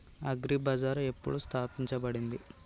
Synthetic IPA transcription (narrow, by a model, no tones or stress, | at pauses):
ɐɡɾibɐd͡ʒaːɾe̞pːuɽust̪ʰaːpiɲt͡ʃɐbɐɽind̪i